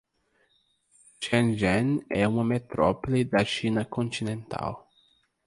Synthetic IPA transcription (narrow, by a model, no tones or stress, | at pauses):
ʃɛ̃nʒɛ̃nɛũmɐmet̪ɾɔpɔlid̪ɐʃĩnɐkõnt̪inẽnt̪ʰa̰w